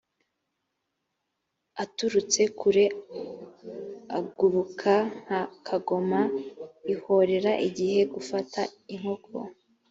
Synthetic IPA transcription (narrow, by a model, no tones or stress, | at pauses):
atuɾut͡se̞kʰuɾe | aɡuɾukʰaŋ̥hakʰaɡo̞maiho̞ɾe̞ɾaʔiɟihe̞ɡufataiŋ̥ho̞kʰo̰